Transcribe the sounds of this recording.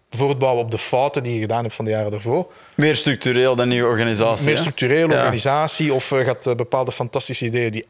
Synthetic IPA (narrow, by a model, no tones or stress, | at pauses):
voːrd̚bɑwəɔb̚dəfɔːtədijəɣədaːnɦɛptfɑndəjaːɾədaːrvoːr | mɪːrst̪ɾʏk̚t̪yɾeːlˠdɑnːiːwəɔrɣanizaːsmɪːrstryk̚tyɾeːləɔɾɣanizaːsiɔfəɣaːtəbəpaːlˠdəfɑntɑstisəideːjədi